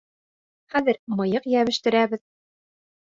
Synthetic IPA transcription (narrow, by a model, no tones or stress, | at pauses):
χæðɘɾmɤ̆jɤqjæβɘ̆ʃt̪ɘ̆ɾæβɘð